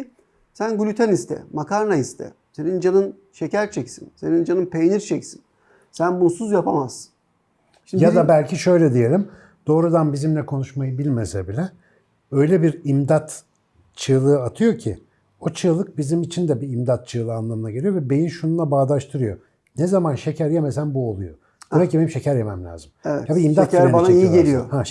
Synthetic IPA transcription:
sænɡulʲyt̪ʰɛnist̪ʰɛ̰makʰaɾnaist̪ʰɛ̰se̞nind͡ʒanɯn | ʃecæɾt͡ʃʰɛcsḭnse̞nind͡ʒanɯnpʰejniɾt͡ʃʰɛcsi̥n | sænbunsuzjapʰamazsɯ̥n | jad̪abælʲcʰiʃø̞jlʲɛd̪ije̞lʲim | d̪̥o̞ːɾud̪anbizimlʲɛkʰo̞nuʃmajɯbilʲmesɛbilʲɛ | ø̞jlʲɛbiɾimd̪at̪ | t͡ʃʰɯlˠɯɯat̪ʰɯjo̞cʰi | ot͡ʃʰɯːlˠɯk̚bizimit͡ʃʰind̪ɛbiːmd̪at̪̚t͡ʃʰɯːlˠɯanlˠamɯnaɟelʲijo̞vɛbe̞jinʃununlˠabaːd̪ˠaʃt̪ʰɯɾɯjo̞̰ | nɛzamanʃe̞cʰæɾjemesænbuo̞lˠujo̞̰ | d̪emɛcʲibe̞nimʃe̞cʰæɾjemæmlʲa̰ːzɯmɛvɛ̰jabiimd̪at̪aɾbanaijielʲijoha

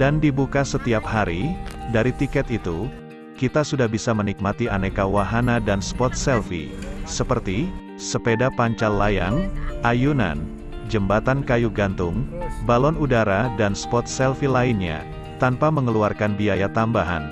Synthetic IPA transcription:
dandibukasət̪iaphaɾidaɾit̪ikɛt̪it̪u | kit̪asudahbisamənik̚mat̪ianekawaɦanadanspɔt̪̚sɛlfḭsəpərt̪i | səpedapaɲt͡ʃallːaja̰ŋʔajuna̰n | d͡ʒəmbat̪ankajuɡant̪ʊŋbalɔnudaɾadanspɔt̪̚sɛlfilaɪnɲa̰ | t̪anpaməŋəluarkanbiajat̪ambaɦa̰n

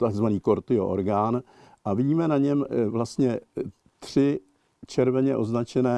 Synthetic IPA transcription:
t̪aɡzvaniːko̞ɾt̪ɪo̰ʔo̰ɾɡaːn | ʔavɪɟiːmɛnaɲɛmvlast̪ɲɛ | t̪r̝̥ɪ | t͡ʃɛɾvɛɲɛʔo̞znat͡ʃɛnɛː

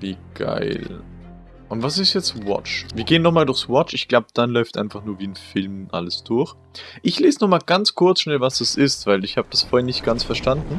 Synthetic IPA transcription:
viːɡ̥a̰ɪl | ʔʊntvas̬ɪstjɛt͡stvɔ̰t͡ʃviːɐɡeːənːɔχmaːldʊɐçsvɔt͡ʃɪçɡ̥laʊbəd̥anlɔʏftʔa̰ɪnfaχnuːɐviːnfɪlmʔa̰ləsd̥ʊɐç | ʔɪçleːzənɔχmaːlɡ̥ant͡skʰʊɐt͡sʃnɛlvasd̥asɪstv̥aɪlɪçhaːbəd̥asfoːɐhɛːɐnɪçt̚ɡ̥ant͡sfɛɐʃtandn̩

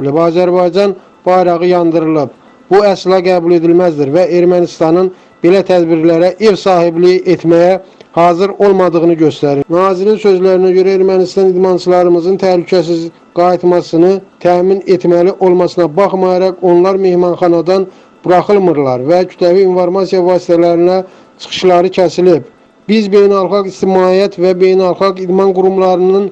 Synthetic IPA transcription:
libɑːzæɾbɑjd͡ʒɑn | b̥ɑjɾɑʁɯjɑnd̪ɯɾɯlˠɯb̚ | b̥uæslˠɑɡæbule̞d̪ilmæzd̪iɾvæe̞ɾmænist̪ɑnɯn | b̥e̞læt̪ʰæd̪biɾlæɾæʔevsɑːhiblijʔet̪ʰmæjæhɑːzɯɾo̞lˠmɑd̪ɯʁɯnɯɟø̞st̪æɾinɑːziɾinsø̞zlæɾinæɟøɾæe̞ɾmænist̪ɑnid̪mɑnt͡ʃʰɯlˠɑɾɯmɯzɯnt̪ʰæhlycʰæsiz | ɡ̥ɑjit̪mɑsɯnɯt̪ʰæːminet̪mæliʔo̞lˠmɑsɯnɑbɑχmɑjɑɾɑko̞nlˠɑɾme̞hmɑnχɑnɑd̪ɑn | b̥uɾɑχɯlˠmɯɾlˠɑɾvæcʰy̥t̪ʰlæviinfoɾmɑsijɑvɑːsi̥t̪ʰælæɾinæ | t͡ʃʰɯ̥χɯ̥ʃlˠɑɾɯcʰæsilib | bizbe̞jnælˠχɑɡist̪imɑːijæt̪ʰvæbe̞jnælˠχɑɡid̪mɑnɡuɾumlˠɑɾɯnɯn

